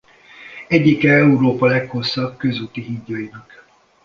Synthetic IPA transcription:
ɛɟːikɛɛuɾoːpɒlɛkho̞sːɒb̚kø̞zuːt̪iɦiɟːojinɒk

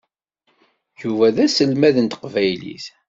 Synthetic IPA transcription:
juvæðæsəlmæðənt̪qvæjlḭθ

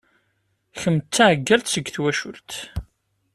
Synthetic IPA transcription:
çəmt͡s̪t͡sːaʕɡːælt̪səɡːθwæʃʊlt̪

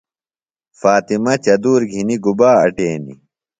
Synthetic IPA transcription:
faːt̪imɐt͡ɕɐd̪uːɾɡʱiniɡubaːɐ̰ʈeːnḭ

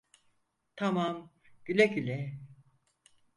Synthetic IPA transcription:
t̪ʰamamɟ̥ylʲɛɟylʲɛ

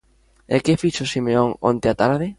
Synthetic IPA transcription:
ɛ̰kɪfiʃosimeoŋo̰nt̪eat̪aɾaðe

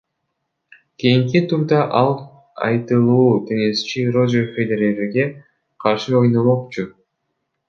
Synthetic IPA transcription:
kʲijiŋk̬it̪ʰuɾd̪ɑʔɑlˠ | ɑ̰jt̪ɯlˠuːt̪ʰe̞ŋe̞st͡ʃiro̞zefed̪eɾeɾeɡe̞ | qʰɑɾʃɯo̞jno̞mo̞q̚t͡ʃu

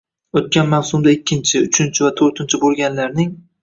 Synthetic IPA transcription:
ot̪̚kʲanmawsʊmd̪aɪkʲːɪnt͡ʃʰɪʊt͡ʃʰɪnt͡ʃʰɪvat̪ʰoɾt̪ʰɪnt͡ʃʰɪbolˠɡʲanlaɾnɪŋ

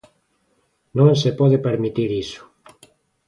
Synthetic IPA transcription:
nõŋsepɔðepeɾmit̪iɾisʊ̥

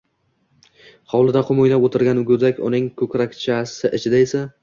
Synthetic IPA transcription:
hɒwlˠɪd̪aqʰʊmojlapot̪ʰɪɾɡʲanʊɡʲʊd̪akʲʊ̰nɪŋkʲʰɵkʲɾakʲt͡ʃʰasɪʔɪt͡ʃʰɪd̪ae̞sa

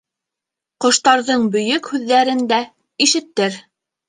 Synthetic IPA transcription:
qŏʃt̪ɑɾðɤɴbɵ̆jɵkhʉðːæɾɘnd̪æ | iʃɘ̆t̪ːɘɾ

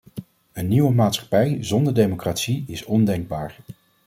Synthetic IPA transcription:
ənːiʋəmaːtsχɑ̥pɛjzɔndəɹdejmokraːtsiɪsɔndɛŋɡ̚baːɹ

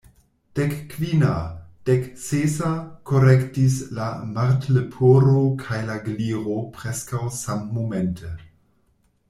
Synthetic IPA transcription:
d̥ekːvinad̥eksesakoɾektislamaɾtlepʰoɾokʰajlaɡliɾopɾeskawsamːomentʰe

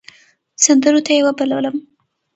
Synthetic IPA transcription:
sand̪əɾot̪ajewabalawləm

